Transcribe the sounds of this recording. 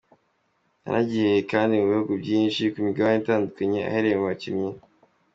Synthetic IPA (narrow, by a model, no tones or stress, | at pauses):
a̰ɾa̰ɟihekaːndimuβihuɡubɟiːnʃikumiɡaβaɲetaːndukaɲe̞a̰heɾejemacimɲe